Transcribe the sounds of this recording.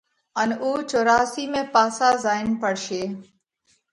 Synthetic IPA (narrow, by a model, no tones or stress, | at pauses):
ənuːt͡ʃoːɾaːsiːmẽːpaːsaːzaːɪnpəɽʃeː